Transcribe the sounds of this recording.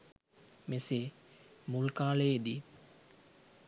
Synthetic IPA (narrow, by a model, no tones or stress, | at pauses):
mesemulkaːləjed̪i